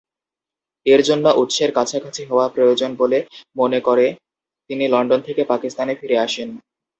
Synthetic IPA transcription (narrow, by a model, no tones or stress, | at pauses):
eɾd͡ʑonːaʔut̪ːʃeɾkat͡ɕʰakʰat͡ɕʰiɦooapɾojod͡ʑonbolemonekoɾe | t̪inilɔɳɖont̪ʰekepakist̪anefiɾeaʃen